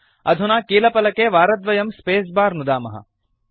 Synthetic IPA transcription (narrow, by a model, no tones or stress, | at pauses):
ɐd̪ʱunaːkiːlɐpɐlɐkeːʋaːɾɐd̪ʋɐjɐmspeːsbaːɾnud̪aːmɐɦɐ̰